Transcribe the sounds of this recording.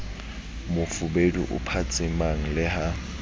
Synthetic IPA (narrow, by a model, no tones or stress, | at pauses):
mʊfʊbedṵʔʊ̰pʰat͡sʼɪmaŋ̩lɪɦa